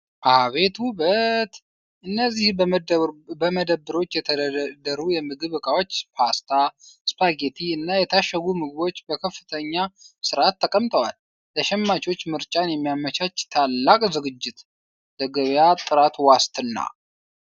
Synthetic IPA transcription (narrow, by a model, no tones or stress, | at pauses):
ʔaβe̞t̪uβət̪ | ʔɨnːəzːih | bəməd̪əbːɨɾo̞t͡ʃːjɛt̪ʰəd̪əɾujɛmɨɡɨβɨkʼawot͡ʃːspʰast̪ʰaspʰaɡet̪ʰiɨnːajɛt̪ʰaʃːəɡumɨɡɨβo̞t͡ʃːbəkʰəfːɨt̪ʰəɲːasɨɾat̪ʰːəkʼəmt̪ʼəwal | t̪ʰəʃɛmːat͡ʃo̞t͡ʃːmɨɾt͡ʃʼanjɛmːijamːət͡ʃat͡ʃːt̪ʰalːakʼzɨɡɨd͡ʒːɪt̪ | d̪əɡəβjat̪ʼɨɾat̪wast̪ʰʼɨnːa̰